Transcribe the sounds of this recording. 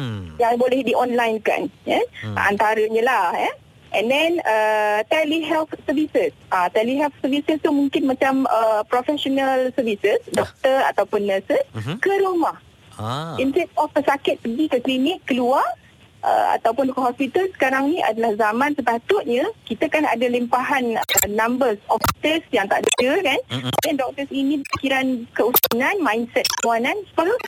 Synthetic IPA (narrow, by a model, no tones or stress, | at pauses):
jaŋbolɛhdiʔɔnlajnka̰njaa̰nt̪aɾəɲə̃lahɛ | ʔɛ̰̃ndɛnət̪ɛliɦɛlt̪səvisəsʔat̪ɛliɦɛlt̪səvisəst̪umũŋkɪnmãt͡ʃaməpɾofɛsonəlsəvisəsdɔk̚t̪əra̰t̪awpʊnːəsəskəɾumah | insɛtɔfpəsakɪt̪̚pəɡikəklimɪʔkːəluar | ʔə̰a̰t̪awpʊnɔkəɦɔspit̪alsə̥kaɾaŋniʔa̰dalahzamãnsəpat̪ʊʔ̪̚ɲakit̪akana̰dalimpaɦanənãmbərsɔfit̪əsjaŋt̪a̰ʔdaəkandɛndɔk̚t̪əsinĩbəpi̥kiɾankəusunãnmãjnsɛt̪̚kəmuanãnsə̥pakə